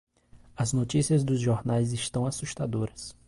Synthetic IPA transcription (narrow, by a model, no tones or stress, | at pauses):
ɐznot͡ʃisiɐzd̪ʊzʒoɾnajzɪʃt̪ɐ̃w̃asuʃt̪ad̪oɾɐs